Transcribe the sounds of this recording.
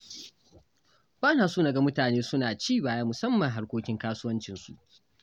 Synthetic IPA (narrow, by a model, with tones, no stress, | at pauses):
baː˦naː˨suː˦nɐ˨ɡa˨mʊ˦taː˨neː˦sʊ˦naː˨t͡ʃiː˦˨baː˨jaː˦mʊ˨sɐ˦mːɐ˨ŋɦa˦ɽkʷoː˦kʲɪ˦ŋkaː˦sʊ˦wɐ˦nt͡ʃɪ˨nsṵ˨ʔ